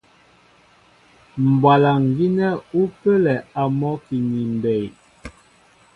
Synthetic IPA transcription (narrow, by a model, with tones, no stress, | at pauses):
m̩˨bwa˨la˨ŋ˨ɡi˦nɛ˦u˦pə˦lɛ˨a˨mɔ˦ki˨ni˨m˨bɛ˨j